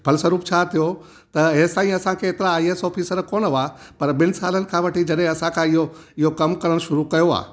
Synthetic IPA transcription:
b̥ʱɐlsɐɾuːpt͡ɕʰat̪ʰijo | t̪ɐɦeːsãːĩɐsãkʰeːt̪ɪɾaːieːsɔːfʰiːsəɾkoːnəʋapɐɾbɪnɪ̆saːlənɪ̆kʰãʋɐʈʰid͡ʑɐɗɦẽɐsãkʰãɪɦoɪɦokɐmkɐɾəɽ̃ʃʊɾukɐjoa̰ː

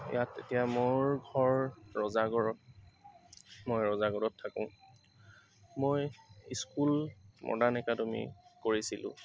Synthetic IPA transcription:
jatːḛtijamoɹɡʱɔɹːɔzaɡɔɹɔt̚ | mojɹɔzaɡɔɹɔtʰːakɔ̃ | mojiskulmɔ̰danɛkatʊmḭkoɹisilʊ̰̃

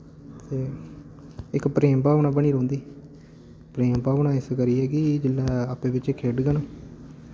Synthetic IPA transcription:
t̪eː | ɪkpɾeːmpaːʋnãːbəɳ̃iːɾõːnd̪iː | pɾeːmpaːʋnãːɪskəɾiːɛːkɪd͡ʒɪlːaːaːpẽːbɪt͡ʃːkʰeːɖɡənõː

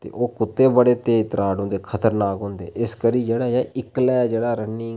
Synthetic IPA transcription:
t̪ḛːʔoːkʊt̪ːeːbəɽeːt̪eːt̪ɾaːɽɦʊ̃nd̪eːkʰət̪əɾnaːkɦʊ̃nd̪ḛːʔɪskəɾiːd͡ʒeːɽaːjaːʔɪklɛːd͡ʒeːɽaːɾənɪ̃ː

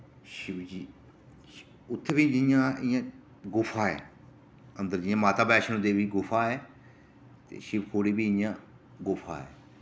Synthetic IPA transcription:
ʃɪbd͡ʒiː | ʊt̪ʰːebĩːd͡ʒɪjãːɪjãː | ɡʊfʰaːɛ̰ː | ənd̪əɾd͡ʒɪjãːmaːt̪aːbɛːʃənõːd̪eːʋiːɡʊfʰaːɛː | t̪ḛːʃɪbkʰoːɽiːbiːɪjãː | ɡʊfʰa̰ːɛ̰ː

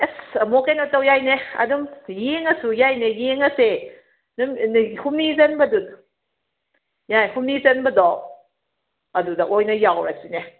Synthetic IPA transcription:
esmokejnɔtɐwjajneɐ̰dumjeŋɐsujajnejeŋɐse | nmhumnizɐnbɐdun | jajhumnizɐnbɐdɔ | ɐdudɐʔojnɐjawɾɐsine

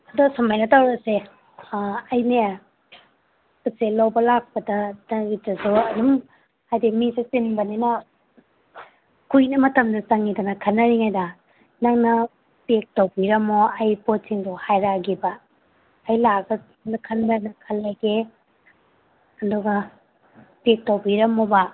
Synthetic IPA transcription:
ɐdɔɡɐsɐmajnɐtawɾɐse | ɐjne | kuselawbɐlak̚pɐdɐdɐɡitːɐsuɐdum | hajdimiset͡ʃinbɐninɐ | kʰujnɐmɐtɐmdɐt͡ʃaŋidɐnɐkʰɐnːɐɾiŋajdɐ | naŋnɐ | pek̚towbiɾɐmoɐjpot̚siŋduhajɾaɡibɐː | jlaɡɐ | nɐkʰɐnbanɐkʰɐlːɐɡe | ɐndɔɡɐ | pek̚towbiɾɐmoba

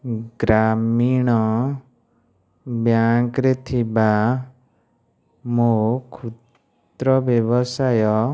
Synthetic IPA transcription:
ɡɾamiɽ̃ɔ | bjaŋkɾet̪ʰiba | mokʰut̪ | ɾɔbjɔbɔsajɔ

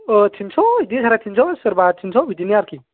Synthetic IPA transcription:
ɔtʰinsʰɔidisʰaɾatʰinsʰɔsɯɾbad̚sʰinsʰɔbid̪inijaɾki

